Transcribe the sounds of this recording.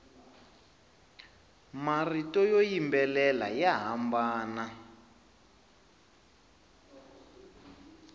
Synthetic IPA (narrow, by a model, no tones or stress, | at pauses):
maritɔjojimbɛlɛla̰jaɦambaːna